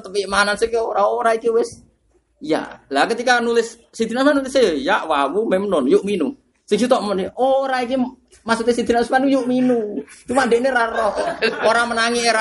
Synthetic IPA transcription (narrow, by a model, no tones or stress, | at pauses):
t̪əpiʔmanansikioɾaoɾaikiwɪs | ija̰lakət̪ikanulɪsː | id̪̥inasmanulɪsejojaʔwawumemnɔnjuʔminu | siɡsut̪ɔʔmənoɾaik̬i | masut̪esid̪inasmanujuʔminut͡ʃumadɛʔneɾarɔhoɾamənaŋiʔeɾa